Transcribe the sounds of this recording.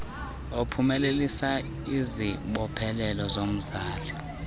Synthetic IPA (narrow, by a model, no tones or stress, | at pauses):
opʰumɛlelisa | iziɓɔpʰɛlɛlɔzom̩zaːlɔ